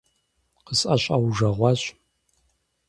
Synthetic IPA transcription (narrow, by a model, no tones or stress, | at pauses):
qəsʼɐɕʷʼɐwʐɐʁʷɑɕʼ